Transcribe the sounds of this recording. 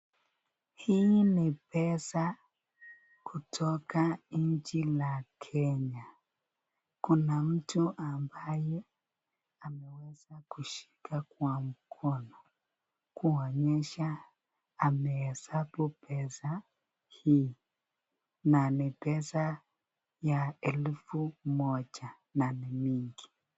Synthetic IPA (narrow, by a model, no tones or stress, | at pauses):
hinipɛsa | kʰutʰɔkaɲ̩d͡ʒilakʰɛɲa | kunam̩tuʔambajɛ | amɛwɛzakuʃi̥kʰakwam̩kʰɔnɔ | kuɔɲɛʃaː | mɛhɛsabupʰɛsa | hi | nanipɛsa | jaɛlfumɔd͡ʒa | nanimiŋɡi